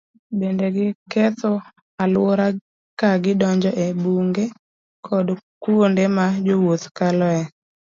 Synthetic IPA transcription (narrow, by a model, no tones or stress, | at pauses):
bendeɡɪkɛt̪o | alwoɾa | kaɡɪdɔɲd͡ʒɔʔebuŋɡe | kʰɔdkuondemad͡ʒowot̪kalɔɛ